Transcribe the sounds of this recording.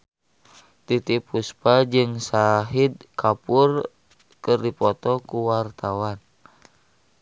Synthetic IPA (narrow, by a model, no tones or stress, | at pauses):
t̪it̪ipuspad͡ʒɨŋsaɦid̪̚kapur | kɨrdipɔt̪ɔkuwart̪awan